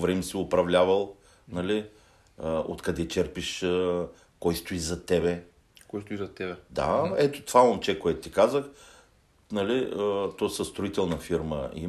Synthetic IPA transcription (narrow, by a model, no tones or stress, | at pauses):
vɾɛmsiʊpɾɐvlʲavɐlˠ | nɐli | o̰t̪kɐd̪ɛt͡ʃɛɾpiʃə | kɔjst̪ʊizɐt̪ɛbɛ | kɔjst̪ʊizɐt̪ɛbɛd̪a̰ɛt̪o̥t̪ovaomt͡ʃɛkoɛt̪ʊ̥t̪ikazəx | nɐliət̪ɔsəst̪ɾʊit̪ɛlˠnɐfiɾmə̰ḭ